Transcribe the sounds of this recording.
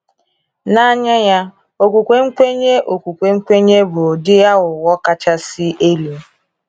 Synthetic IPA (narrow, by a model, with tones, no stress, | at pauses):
na˦ɲa˦ja˦ | o˨kʷu˨kʷe˨ŋ̩˦kʷe˦ɲe˦ʔo˨kʷu˨kʷe˨ŋ̩˦kʷe˦ɲe˦bʊ˨dɪ˦ja˦ɣʊ˨wɔ˦ka˦t͡ʃa˦sɪ˦e˦li˨